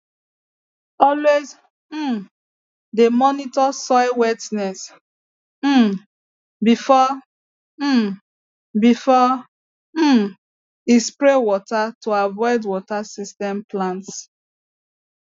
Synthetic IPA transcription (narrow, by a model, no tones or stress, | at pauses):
ɔlwez̩ | demɔnitɔsɔɪwɛtnɛs̩ | bifɔ | bifɔ | m̩ | ispɹewɔtatʰoavɔɪdwɔtasistɛ̃mplãnts